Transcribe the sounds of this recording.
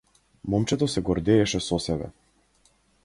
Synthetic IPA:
mɔmt͡ʃɛt̪ɔsɛɡɔɾd̪ɛːʃɛsɔsɛbɛ̰

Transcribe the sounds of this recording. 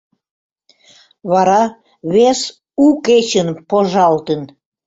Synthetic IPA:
βɑɾɑ | βes | uket͡ɕənpoʒɑlt̪ən

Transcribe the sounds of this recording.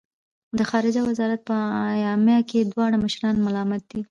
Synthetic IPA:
d̪əxɑɾɪd͡ʒawazɑɾat̪̚pəjɑmjɑked̪wɑɽ̃aməʃɾɑnmalɑmat̪̚d̪̥i

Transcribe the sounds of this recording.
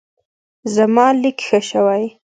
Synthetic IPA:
zamɑlikxəʃawaj

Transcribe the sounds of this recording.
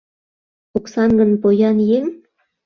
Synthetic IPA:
uksɑnɡə̆npojɑnjeŋ

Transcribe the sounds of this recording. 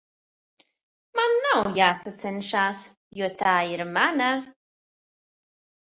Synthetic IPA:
manːawjaːsat̪t͡sɛɪnʃaːs | juːt̪aːiɾmana

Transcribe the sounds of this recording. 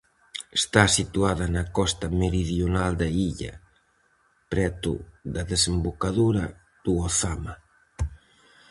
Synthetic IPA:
est̪asit̪uaðɐnɐkɔst̪ɐmeɾiðjonald̪ɐiʎɐ̰ | pɾɛt̪ʊ̰ðɐðesembokaðuɾɐ | ð̥uoθamɐ

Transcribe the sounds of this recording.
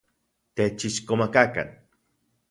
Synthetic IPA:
t̪et͡ʃit͡ʃkomakaka̰n

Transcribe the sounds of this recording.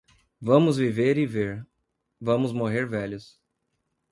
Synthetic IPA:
vɐ̃mʊzviveɾɪveɾ | vɐ̃mʊzmoɦeɾvɛʎʊs

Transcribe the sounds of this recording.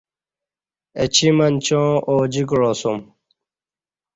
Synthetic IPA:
et͡ɕimɐnt͡ɕõːoːd͡ʑiɡɻoːsum

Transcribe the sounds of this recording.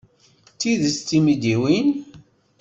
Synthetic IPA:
t̪ːiðst͡s̪ːimid̪iwin

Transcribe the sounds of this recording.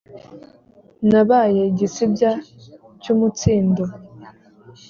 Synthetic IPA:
naβajeɟisibja | cumut͡siːndo

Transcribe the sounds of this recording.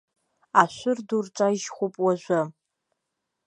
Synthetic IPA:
aʃʷʊrdurʈ͡ʂʷʼaʒχʷʊpʼwaʒʷa

